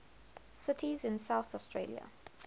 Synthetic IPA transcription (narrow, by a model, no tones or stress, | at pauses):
sɪtʰizɪ̃nsaʊθɔstʰɹeːlḭə̰